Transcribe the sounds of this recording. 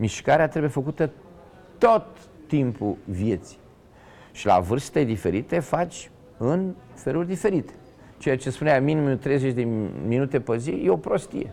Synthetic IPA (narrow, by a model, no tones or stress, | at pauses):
miʃkaɾeat̪ɾebujefəkut̪ə | t̪ot̪ː | impuvje̞t̪si̥j | ʃila̰vɨrst̪ed̪ife̞ɾit̪e̞fat͡ʃʲ | ɨn | fe̞lurʲd̪ife̞ɾit̪e̥ | t͡ʃejat͡ʃe̞spuneaminimut̪ɾe̞jzet͡ʃʲd̪eminut̪e̞pəzijeo̞pɾost̪ḭjḛ